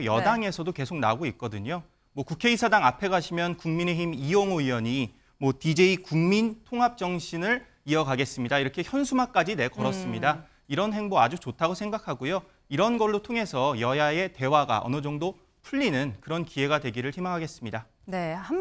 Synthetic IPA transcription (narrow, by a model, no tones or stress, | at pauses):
jʌdaŋe̞sʰʌdoke̞sʰok̚naɡoit̚k͈ʌdɯɲo | mwʌkukʰe̞isʰadaŋapʰe̞ɡaɕʰimjʌnkuŋmine̞ɦimioŋoiwʌɲi | mwʌtid͡ʑe̞ikuŋmintʰoŋɦap̚t͡ɕ͈ʌŋɕʰinɯɭ | iʌɡaɡe̞s͈ɯmɲidaiɾʌkʰe̞çjʌnsʰumak͈ad͡ʑine̞kʌɾʌs͈ɯmɲida | iɾʌnɦe̞ŋboad͡ʑut͡ɕotʰaɡosʰeŋɡakʰaɡojo | iɾʌnɡʌɭːotʰoŋe̞sʰʌjʌjae̞te̞waɡa̰ʔʌ̰nɯd͡ʑʌŋdo | pʰuʎːinɯnkɯɾʌnkie̞ɡadwe̞ɡiɾɯɭçimaŋɦaɡe̞s͈ɯmɲida | ne